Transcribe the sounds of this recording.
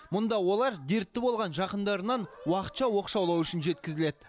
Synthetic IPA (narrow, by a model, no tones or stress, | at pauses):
mʊnd̪ɑwo̞lˠɑɾd̪e̞ɾt̪ːɪbo̞lˠʁɑnʒɑqənd̪ɑɾənɑnwɑqə̥t̪ʃɑwo̞qʃɑwlˠɑwʏʃɪnʒe̞t̪kʲɪzɪle̞d̪ɪ